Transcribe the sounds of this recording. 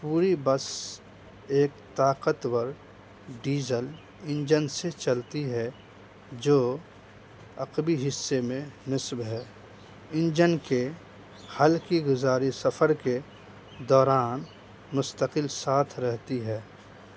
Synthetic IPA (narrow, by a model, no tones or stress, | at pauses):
puːɾibəs | eːkt̪aːqət̪wəɾ | ɖiːzəl | ɪ̃nd͡ʒənset͡ʃəlt̪iɦɛ | d͡ʒoː | ɐqbiɦɪsːemẽnɪsbɦɛː | ɪ̃nd͡ʒənke | hɐlkiɡʊzaːɾisɐpʰəɾke | d̪ɔːɾaːn | mʊst̪əqɪlsaːt̪ʰɾɛɦt̪iɦɛː